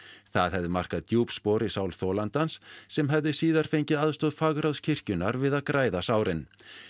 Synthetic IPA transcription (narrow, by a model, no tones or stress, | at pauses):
θa̰ðɦɛvðɪmar̥kaðt̪juːpspɔːɾɪsaːwlθɔːlant̪ansːɛmɦɛvðɪsiːðaɾ̥fejɲcɪðaðst̪ɔːðfaɣɾawscʰɪr̥cʏnaɾvɪðaðkɾaːjðasaːwɾɪn